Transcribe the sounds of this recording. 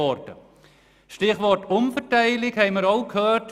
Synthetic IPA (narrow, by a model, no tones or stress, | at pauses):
ɔɾtə̰ | ʃtɪχʋɔtʊmfətæɪlɪkhɛɪməɾoʊkʰhøːt